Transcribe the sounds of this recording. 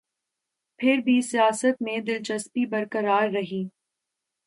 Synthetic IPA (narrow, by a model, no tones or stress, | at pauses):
pʰɪɾbʱisijaːsət̪mẽd̪ɪlt͡ʃəspibɐɾkəɾaːɾːɐɦiː